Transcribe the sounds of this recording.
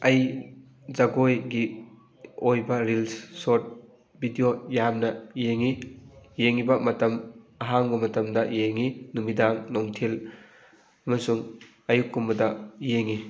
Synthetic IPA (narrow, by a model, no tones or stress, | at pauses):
ɐj | zɐɡojɡi | ojbɐɾilssot̚ | bʱidijojamnɐjeŋijeŋibɐmɐtɐmɐɦaŋbɐmɐtɐmdɐjeŋinumidaŋnoŋtʰel | ɐmɐsuŋ | ɐjukːumbɐdɐjeŋi